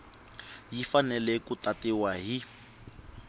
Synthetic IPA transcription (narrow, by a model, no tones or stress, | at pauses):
jifanɛlɛkutatiwaɦi